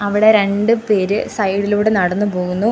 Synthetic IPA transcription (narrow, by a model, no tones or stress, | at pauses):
ɐʋiɽe̞ɾe̞ɳɖɨpe̞ːɾɨsɐjɽiluːɽenɐɽɐnːupo̞ːɣunːu